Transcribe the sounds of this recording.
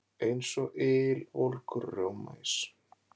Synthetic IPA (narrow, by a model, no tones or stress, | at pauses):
ejnsɔɣʔɪːlvolkʏɾːowma̰js